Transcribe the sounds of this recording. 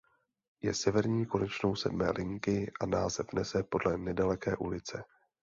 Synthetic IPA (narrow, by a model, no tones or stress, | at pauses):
jɛsɛvɛɾɲiːko̞nɛt͡ʃno̞wsɛdmɛːlʔɪŋkɪʔanaːzɛfnɛsɛpo̞dlɛnɛdalɛkɛːʔulɪt͡sɛ